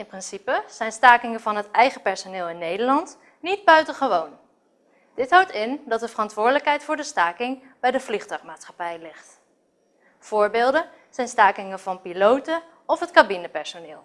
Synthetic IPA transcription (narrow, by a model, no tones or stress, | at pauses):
ɪnprɪnsipəz̥ɛjnstaːkɪŋəvɑnɦətɛjχəpɛɹsonɪːlˠɪnːejdəɹlɑnt | nid̚bœɥtəχəʋown | d̥ɪtɦʌwtɪndɑt̚dəvərɑntʋʊːɹdələkɦɛjtfʊːɹdəstaːkɪŋ | bɛjdəvliχtœɥχmaːtsχɑ̥pɛjlɪχt | v̥ʊːɹbeːlˠdə | z̥ɛjnstaːkɪŋəvɑnpilowtə | ɔfɦətkabinəpɛɹsonɪːlˠ